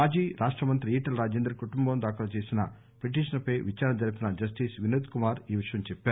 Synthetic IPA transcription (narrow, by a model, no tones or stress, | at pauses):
aːd͡ʒiːɾaːʂʈɾɐmɐnt̪ɾiiːʈɐlɾaːd͡ʒeːnd̪ɾɐkuʈumbɐmd̪aːkɐlɐt͡ʃe̞ːsinɐ̰ | pɾeʈ̬iːʂɐnɐpɐjʋit͡ʃaːɾɐnɐd͡ʒɐɾipinɐd͡ʒɐs̬ʈiːsʋineːd̪kumaːɾiːʋiʂɐjɐmt͡ʃɛpːaːɾ